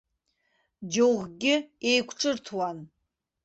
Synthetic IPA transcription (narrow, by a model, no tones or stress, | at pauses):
d͡ʒowʁɡʲɪejkʷʰʈ͡ʂʼɨrtʰwan